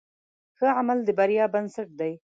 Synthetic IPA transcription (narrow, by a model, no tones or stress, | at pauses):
xəʕamald̪əbaɾjɑbansaʈ̚d̪aj